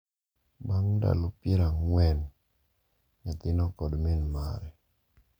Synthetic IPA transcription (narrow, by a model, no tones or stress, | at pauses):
baŋda̰lopiɾaŋwɛn | ɲat̪ɪnɔkɔdminma̰ɾɛ